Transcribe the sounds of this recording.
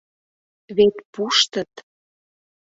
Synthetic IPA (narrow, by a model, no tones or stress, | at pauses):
βet̪puʃt̪ət̪